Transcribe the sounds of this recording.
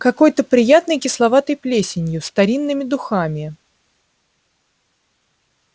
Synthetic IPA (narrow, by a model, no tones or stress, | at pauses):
kɐko̞jt̪əpɾʲɪjat̪nɨjkʲɪslˠɐvat̪əjplʲesʲɪnʲjʊst̪ɐɾʲinːɨmʲɪd̪ʊxamʲɪ